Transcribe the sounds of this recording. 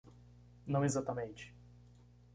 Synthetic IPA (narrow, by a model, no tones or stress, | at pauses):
nɐ̃w̃ezat̪ɐmẽnt͡ʃɪ̥